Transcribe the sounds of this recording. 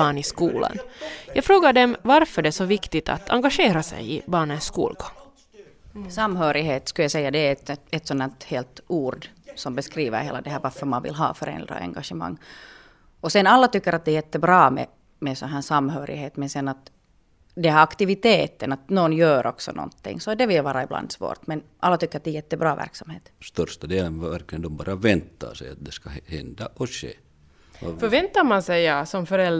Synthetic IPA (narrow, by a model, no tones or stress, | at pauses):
ɑːɳɪskuːla̰njɑːɡfɾoːɡaɖɛmvaɾfœɖɛsɔvɪkt̪ɪt̪ʰa̰t̪ʰa̰ŋɡaʂeːɾasɛ̰jɪbɑːɳənskṵːlɡɔ̥ŋ | samɦøːɾɪɦeːt̪skʉljɑsɛjːad̪ɛːt̪ɛt̪sɔnhæːt̪heːlt̪uːɾɖsɔmbɛskɾiːʋə̰ɾhḛːlad̪ɛɦæːɾvaɾfœɾmanʋɪ̰lɦɑ̰ːfœɾɛ̰nd̪ɾa̰ɛ̰ŋɡaʂɛmɑ̰ŋː | ɔsɛnalːat̪ʏkːəɾʔat̪̚d̪ɛːjɛt̪ːəbɾɑːmɛ̰ | mɛsɔnɦæːsamːɦøːɾʔɪheːt̪mɛnsɛnːat̪ | d̪ɛhæːɑkt̪ɪʋɪt̪eːt̪ənɑt̪nɔnjøːɾʔɔksɔ̰nɔ̰nt̪ːɪ̰ŋːsɔd̪ɛʋɪljʋɑːɾaɪblɑ̰nd̪sʋo̰ːɾt̪mɛnʔalːat̪ʏkːəɾat̪̚d̪ɛːjɛt̪ːɛbɾɑːvæ̰ɾksamhḛːt̪st̪œɾʂt̪ad̪eːlənæɾklɪɡənd̪ɔmbɑ̰ːɾavɛnt̪ʰːa̰sɛja̰t̪̚d̪ɛskahɛnd̪aʔɔɕḛː | fœvɛnt̪amansɛjɑsɔmfœɾɛl